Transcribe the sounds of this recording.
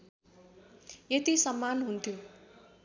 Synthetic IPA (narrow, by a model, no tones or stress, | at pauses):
jet̪isʌmːanɦunt̪ʰjo